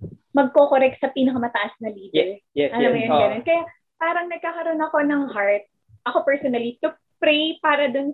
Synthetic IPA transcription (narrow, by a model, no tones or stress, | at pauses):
mɐɡ̚kokoɾɛk̚t̪̚sɐpiːnɐkɐmɐt̪ɐʔɐsnɐliːd̪ɛljɛʔɐnomɐjonɡɐnonkɐja | paːɾɐŋnɐɡ̚kaːkɐɾo̞nɐko̞nɐŋhaɹt̪̚ | ʔɐko̞pɛɹsonɐlit̪ʊ | pɾejpaːɾɐd̪ʊn